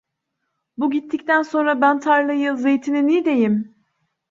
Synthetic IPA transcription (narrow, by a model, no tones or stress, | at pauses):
buɟit̪ʰːic̚t̪ʰænso̞nɾabænt̪ʰaɾlˠajɯze̞jt̪ʰininid̪e̞jim